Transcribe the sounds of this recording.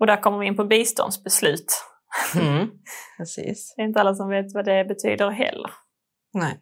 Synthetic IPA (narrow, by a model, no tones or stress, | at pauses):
ɔd̪æɾkʰɔmːəɾvɪɪnpɔbiːst̪ɔ̰nd̪sbɛslʉ̟ːt̪ | ɛsḭːsɛɾɪnt̪əalːas̬ɔmveːt̪vad̪ɛbɛt̪ʰy̰ːd̪əɾɦɛ̰lːə̰ɾ | nɛ